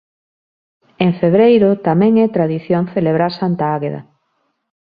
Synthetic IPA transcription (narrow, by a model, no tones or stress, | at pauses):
eŋfeβɾejɾot̪amɛ̃ŋɛt̪ɾaðiθjoŋθeleβ̞ɾaɾsant̪aaɣeða̰